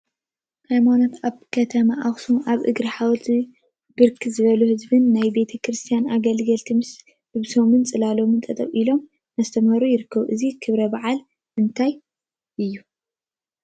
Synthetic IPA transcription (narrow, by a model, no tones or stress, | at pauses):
hajmanot̪aβkʰɐt̪ʰɐmaʔaxsumʔaβʔɨ̰ɡɾiħawt̪ʰ | bɨɾkʰizɨβɐluhɨzbɨnːajbe̞t̪ʰɐkʰɾɨst̪ʰijanaɡɐlɡɐlt̪ʰimɨs | bɨβso̞mɨnt͡sʼɨlalo̞mɨnt̪ʼɐt̪ʼɐβilo̞m | mɐst̪ʰɐmhɐɾujɪɾɨkʰːɐβuʔɨzikʰɨβɾɐbaʕal | ɨnt̪ʰaj | ʔɨjːu